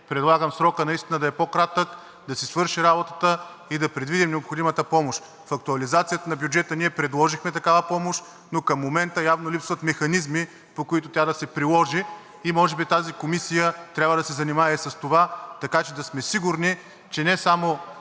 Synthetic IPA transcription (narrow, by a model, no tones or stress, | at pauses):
pɾɛd̪lˠaɡəmsɾɔkənɐist̪inəd̪ɐɛpokɾat̪ək | d̪ɐsisvɤɾʃiɾabot̪ət̪ə | id̪ɐpɾɛd̪vid̪ʲimnɛopxod̪imət̪əpɔmoʃt̪ | fɐk̚t̪uɐlizat̪sijət̪ənɐbjud͡ʒɛt̪əniɛpɾɛd̪lˠɔʒixmɛt̪ɐkavəpɔmoʃt̪ | nokɐmːomɛnt̪əjavnolʲipsvɐt̪mɛxɐnizmi | pokoit̪ʊt̪ʲad̪ɐsɛpɾilˠɔʒiː | mɔʒɛbit̪azikomisijət̪ɾʲabvəd̪ɐsɛzɐnimaɛsɐst̪ovat̪ɐkat͡ʃɛd̪ɐsmɛsiɡʊɾni | t͡ʃɛnɛsamo